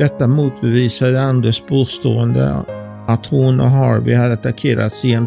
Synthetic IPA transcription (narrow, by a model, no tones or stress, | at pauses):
d̪ɛt̪ːamuːt̪bɛviːsad̪əand̪ɾəsbuːst̪oːənd̪ə̰ | at̪hʊnɔ̰ɦɑːɾvɪ̰had̪ːəat̪akʰeːɾa̰t̪sɪɛn